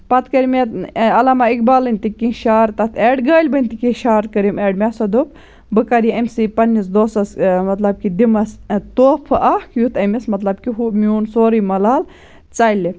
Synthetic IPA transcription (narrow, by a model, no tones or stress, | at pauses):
pɐt̪kɐɾimet̪ɐlɐmɐikbaːlɨnʲt̪ikːĩʃaːɾt̪ɐt̪ʰeːɖɡəːlʲbɐnʲt̪ikĩʃaːɾkɐɾimeːɖmʲesɐd̪up̚ | bɨkɐɾjiɐmsipɐnːisd̪oːsɐsmɐt̪lɐb̚kid̪imɐst̪oːpʰɨʔɐhkjut̪ʰɐmismɐt̪lɐbkiɦumʲjuːnsoːɾimɐlaːl | t͡sɐli